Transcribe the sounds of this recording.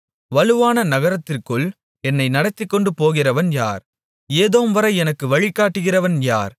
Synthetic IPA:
ʋɐlɯʋaːnɐnɐɣɐɾɐt̪ːɪrkɯɭ | ɛnːɐɪnɐɽɐt̪ːɪkːɔɳɖɯpoːɣɪrɐʋɐnja̰ːɾ | eːðoːmʋɐɾɐɪɛnɐkːɯʋɐɭɪkːaːʈːɯɣɪrɐʋɐnjaːɾ

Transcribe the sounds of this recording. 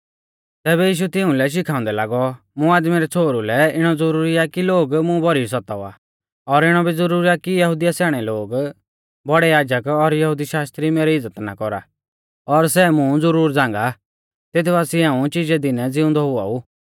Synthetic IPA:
t̪ɛːβɛjiːʃ̬ut̪ɪʊ̃lɛʃ̬ɪkʰãːʊ̃nd̪ɛlaːɡɔ | mʊ̃aːd̪miɾɛt͡sʰoːɾulɛɪɽ̃ɔd͡zʊɾuːɾijakiloːɡmʊ̃bɔɾis̬ɔt̪aa̰ | ɔɾɪɽ̃ɔbid͡zʊɾuːɾiakijɐɦʊd̪ijasɛːɽ̃ɛloːɡ | bɔɽɛjaːd͡ʒəkɔɾjɐɦʊd̪iʃaːst̪ɾimeːɾɛɪd͡zːət̪na̰kɔɾa̰ | ɔɾs̬ɛmʊ̃d͡zʊɾuːɾd͡zãːŋɡa | t̪et̪̬ʰbaːsiãːũt͡ʃid͡ʒɛd̪ɪnɛd͡zɪʊ̃nd̪ɔɦʊa̰uː

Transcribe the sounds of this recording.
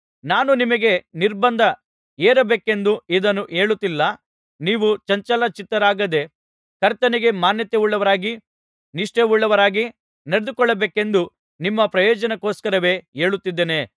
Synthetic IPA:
naːnunimɐɡe̞niɾbɐnd̪ʱɐ | eːɾɐbeːke̞nd̪uid̪ɐnːuʔe̞ːɭut̪ːilːɐ | niːʋut͡ʃɐɲt͡ʃɐlɐt͡ʃit̪ːɐɾaːɡɐd̪e̞ | kɐɾt̪ɐniɡe̞maːnjɐt̪euɭːɐʋɐɾaːɡi | niʂʈeuɭːɐʋɐɾaːɡi | neɽed̪ukɔɭːɐbeːke̞nd̪u | nimːɐpɾɐjɔːd͡ʒɐnɐkoːskɐɾɐʋe̞ːe̞ːɭut̪ːid̪ːeːne̞

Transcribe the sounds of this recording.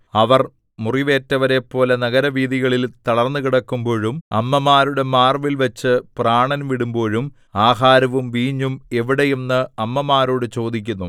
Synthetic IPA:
ɐʋɐr | muriʋe̞ːtːɐʋɐɾe̞pːo̞ːlenɐɣɐɾɐʋiːðiɣɐɭilt̪ɐɽɐrnːɨkiɽɐkːumbo̞ːɻumɐmːɐmaːɾuɽe̞maːrʋilʋɐt͡ɕːɨpraːɳɐnʋiɽumbo̞ːɻum | aːɦaːɾɐʋumʋiːɲːume̞ʋiɽejunːɨɐmːɐmaːɾoːɽɨt͡ɕo̞ːd̪ik̬ʲːunːu

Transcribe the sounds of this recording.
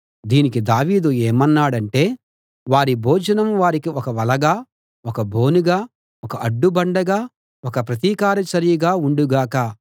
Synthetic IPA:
d̪iːnikid̪aːʋiːd̪ueːmɐnːaːɽɐɳʈe̞ː | ʋaːɾibʱoːd͡ʒɐnɐmʋaːɾikiɔkɐʋɐlɐɡaː | ɔkɐbʱoːnuɡaː | ɔkɐʔɐɖːubɐɳɖɐɡaː | wɔkɐpɾɐt̪iːkaːɾɐt͡ʃɐɾijɐɡaːuɳɖuɡaːkɐ

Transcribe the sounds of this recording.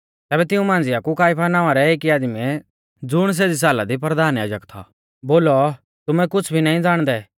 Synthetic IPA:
t̪ɛːbɛt̪ɪũmãːnd͡zɪjakukaːɪpʰanãːʋaɾɛeːkiaːd̪mɛ̃ | d͡zʊɽ̃s̬eːd͡zis̬aːlad̪ip̬ɾɐd̪ʱaːnjaːd͡ʒəkt̪ʰa̰ | boːlɔ | t̪ʊmɛkʊt͡sʰbʱinaːĩd͡zaːɽ̃d̪ɛ

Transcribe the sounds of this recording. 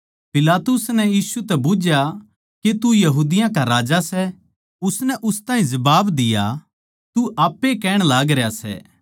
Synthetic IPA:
pɪlaːt̪ʊsnɛjiːsut̪ɛbʊːd͡ʒja | ket̪ujɐɦuːd̪ɪjãkaɾaːd͡ʒasɛ | ʊsnɛʔʊst̪ãːĩzɐbaːbd̪ɪja̰ | t̪uʔaːpːekɛːɽ̃laːɡɾejasɛ̰ː

